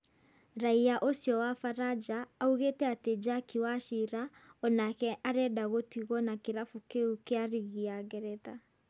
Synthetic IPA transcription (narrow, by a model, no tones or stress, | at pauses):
ɾaiaʔosjɔwafaɾad͡ʒaːuɣeːtɛated͡ʒakiwaʃiɾaɔnakɛʔaɾɛdaɣotiɣɔnakeɾafukeukeaɾiɣiaɣɛɾɛða